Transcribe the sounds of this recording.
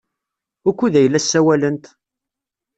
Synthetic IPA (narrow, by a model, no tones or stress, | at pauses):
ʊkʷːuðæjəlːæsːæwælənt̪